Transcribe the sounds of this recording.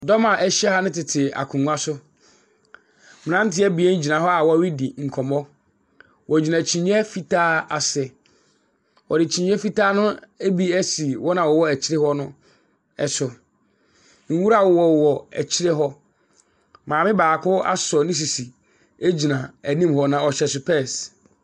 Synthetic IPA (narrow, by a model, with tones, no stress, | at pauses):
dɔ˦mã˨ʔɛ˦ɕɛ˦ha˦nɪ̃˦tɪ˨tʰɪ˨a̰˨kʰũ˨ŋũ˦a˦sʊ˦ | mɪ̃˨nã˦n̩˦tʰɪ˦ɛ˦bi˨ɛ˦n̩˦d͡ʑi˨nã˨ɦɔ˦a˨wɔ˦wi˦di˨ŋ̩˨kʰɔ˨mɔ˦ | wʔɔ˨d͡ʑi˨nã˨t͡ɕʰĩ˨ɲ˦ɛ˦fi˦tʰaː˦a˨sɛ˨ | wɔ˨dɪ˨t͡ɕʰĩ˨ɲ˦ɛ˦fi˦taː˦nʊ̃˦æ˦bi˦æ˦si˨wɔ˦nã˨wɔ˨wɔ˦æ˨t͡ɕʰɪ˦ɾɪ˦hɔ˦nʊ̃˦ | ɛ˨sʊ˨ | ŋ̩˦wu˦ɾa˦˨wɔ˨wɔ˨wɔ˨æ̰˨t͡ɕʰɪ˦ɾɪ˦ɦɔ˦ | mãː˨mɪ̃˦baː˨kʰʊ˦a̰˦sɔ˨nɪ̃˦s̬i˨si˨ | e˦d͡ʑi˨nã˨æ˨nĩ˦mhɔ˦nã˨ɔ˨ɕɛ˨sʊ˨pʰɛ˦˨s